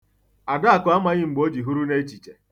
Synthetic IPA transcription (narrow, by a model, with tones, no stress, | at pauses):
a˨da˦a˨kʊ˨˦a˦ma˦ɲɪ˦ŋ͡m̩˨ɡ͡bo˦d͡ʒi˨ɦu˦ɾu˦ne˦t͡ʃi˨t͡ʃe˨